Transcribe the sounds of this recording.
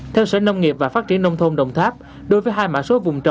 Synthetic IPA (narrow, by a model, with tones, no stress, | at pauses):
t̪ʰɛ˧wsɛ̰˧˥nə˧wŋ͡mŋi˨˩əp̚vaː˨˩faː˦˥t̚t͡ɕi˧˩˦ənːə˧wŋ͡mt̪ʰo˧ŋ͡mɗə̰˨˩wŋ͡mt̪ʰaː˦˥p̚ | ɗo˨˦jvəː˨˦jɦaː˧jma̰ː˧˥so˨˦vʊ˨˩ŋ͡mt͡ɕə̰˨